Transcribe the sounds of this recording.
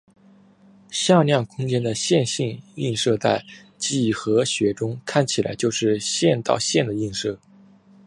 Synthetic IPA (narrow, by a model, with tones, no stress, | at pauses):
ɕjɑ˥˧ljɑ˥˩ŋkʰʊ˥ŋt͡ɕjɛ˥nd̪ə˨ɕjɛ˥˧nɕi˥˧ni˥˧nʂɤ˥˧t͡sa˥˩ɪ | t͡ɕi˥˩xɤ˧˥ɕɥɛ˧˥ʈ͡ʂʊ˥ŋkʰa˥˩nt͡ɕʰi˨˩la̰˧˥ɪt͡ɕjo˥˧ʊʂɻ̩˥˧ɕjɛ˥˧nt̪ɑ̰˥˧ʊɕjɛ˥˩nd̪ə˩i˥˧nʂɤ˥˩